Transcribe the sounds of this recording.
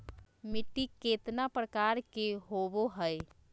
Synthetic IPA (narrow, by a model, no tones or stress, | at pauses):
mɪʈːikeːt̪napɾəkaːɾkeɦoːʋoɦəe